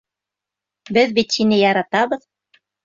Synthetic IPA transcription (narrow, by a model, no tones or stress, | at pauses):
bɘðbit̪sinɘjɑɾɑt̪ɑβɤ̆ð